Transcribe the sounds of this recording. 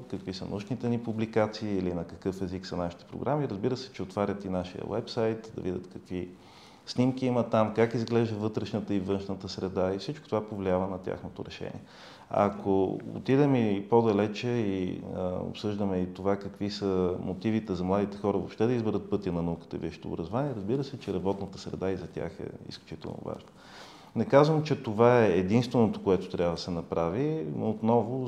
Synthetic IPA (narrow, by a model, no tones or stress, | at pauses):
kɐkvisə̰n̰uʃnit̪ɛnipublikat̪siːlinɐkɐkɤfɛziksɐnaʃi̥t̪ɛ̥pɾo̰ɡɾʔamiɾəzbiɾəsɛ̥t͡ʃɛot̪vaɾʲət̪inaʃijə̰wɛ̰psajt̪d̪ɐ̰vidʲət̪kɐkvi | snimkʲiimət̪amkakizɡlɛʒd̪əvɤt̪ɾɛʃnət̪əivɤnʃnət̪əsɾɛd̪aifsit͡ʃko̥t̪ovapovliavənɐt̪ʲja̰xnot̪o̰ɾɛʃɛ̰nḭɛ | ɐ̰kʰoʊ̰t̪id̪ɛmipod̪ɐlɛt͡ʃɛi | o̰psɤʒd̪əmɛit̪ovakɐkvisəmot̪ivit̪ɛzɐmlˠad̪it̪ɛ̥xɔɾəvo̰pʃt̪ɛd̪ɐizbɛɾət̪̚pɤt̪iənɐnɐukə̥t̪ə̰viʃi̥t̪o̰ːbɾɐzovaniɛɾɐzbiɾəsɛt͡ʃɛɾɐbɔt̪nət̪əsɾɛ̰d̪aizɐt̪ʲa̰xɛ̰ḭsklʲut͡ʃit̪ɛ̰lˠno̰va̰ʒno | nɛkazvəmt͡ʃɛt̪ovaɛːd̪inst̪vɛnot̪o̥koɛt̪o̥t̪ɾʲabvəd̪əsɛnɐpɾavinot̪nɔvʊ